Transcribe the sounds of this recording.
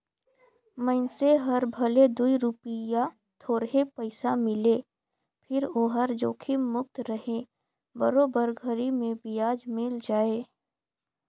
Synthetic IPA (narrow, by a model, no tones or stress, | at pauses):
məɪnseɦɐɾbʱɐled̪uiɾʊpɪja | t̪ʰoːɾɦepəɪsamɪleː | pʰɪɾoɦəɾd͡ʒoːkʰimʊk̚t̪ɾəɦẽ | bəɾoːbəɾɡʱəɾimẽbɪjaːd͡ʒmɪld͡ʒaːeː